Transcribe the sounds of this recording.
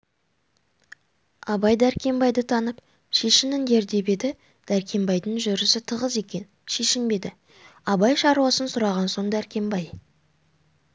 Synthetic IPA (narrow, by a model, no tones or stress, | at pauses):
ɑbɑjd̪æɾkʲe̞mbɑjd̪ət̪ʰɑnəp | ʃe̞ʃɪnɪnd̪e̞ɾd̪e̞be̞d̪ɪ | d̪̥æɾkʲe̞mbɑjd̪əŋʒʏɾɪsɪt̪ʰəʁəze̞kʲen | ʃe̞ʃɪmbe̞d̪ɪ | ɑbɑjʃɑɾuwɑsənsʊɾɑʁɑnso̞nd̪æɾkʲʰe̞mbɑj